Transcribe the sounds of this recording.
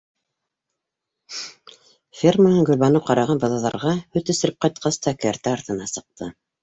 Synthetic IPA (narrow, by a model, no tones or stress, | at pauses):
fʲermɤnɤŋɡɵ̆lʲβɑnɤwqɑɾɑʁɑnbɤ̆ðɑðɑ̰ɾʁɑhɵt̪ɵ̆sɘ̆ɾɘp̚qɑjt̪̚qʰɑst̪ɑkæ̆æɾt̪æːɾt̪ɤ̆nɑsɤ̆q̚t̪ʰɤ